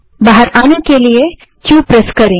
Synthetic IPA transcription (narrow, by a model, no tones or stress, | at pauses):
baɦəɾaːnẽkelie | t͡ʃuːpɾəskɐɾẽː